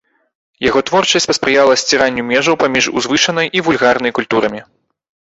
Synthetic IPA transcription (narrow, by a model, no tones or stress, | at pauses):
jaɣɔt̪vɔrt͡ʂɐsʲt͡sʲpɐspɾɨjalˠɐsʲt͡sʲiɾanʲːumʲɛʐɐwpamʲiʐṵzvɨʂɐnɐjʔivulʲɣarnɐjkulʲt̪uɾɐmʲi